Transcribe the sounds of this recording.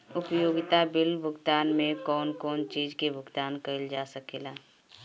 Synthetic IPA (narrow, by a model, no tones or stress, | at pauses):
ʊpjoːɡɪt̪abɪlbʱʊɡt̪aːnmẽkɔːnkɔːnt͡ʃiːd͡ʒkebʱʊɡt̪aːnkəɪld͡ʒaːsəkeːlaː